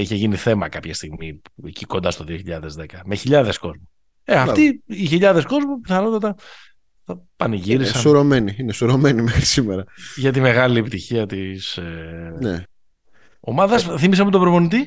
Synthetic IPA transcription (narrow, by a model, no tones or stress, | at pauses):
içe̞ʝiniθe̞mɐkɐpçɐst̪iɣmieciko̞nd̪ɐst̪o̞ðio̞çiʎɐðe̞zðe̞kɐme̞çiʎɐðe̞sko̞zmu | eɐfft̪iiçiʎɐðe̞sko̞zmupiθɐno̞t̪ɐt̪ɐ | θɐpɐniʝiɾisɐsuɾomeniinesuɾo̞menimexɾi̥simeɾɐʝɐt̪ime̞ɣɐliepit̪içiɐt̪isene | o̞̰mɐðɐsθimis̬ɐmput̪obɾovo̞nit̪i